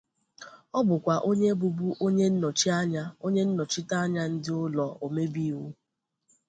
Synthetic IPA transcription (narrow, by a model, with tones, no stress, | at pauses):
ɔ˦bʊ˨kʷa˨ʔo˦ɲe˦bu˨bu˦ʔo˦ɲe˦n̩˦nɔ˨t͡ʃi˦a˦ɲa˦o˦ɲe˦n̩˦nɔ˨t͡ʃi˦ta˦a˦ɲa˦n̩˦dɪ˦ʊ˦lɔ˨o˨me˦bi˦wu˦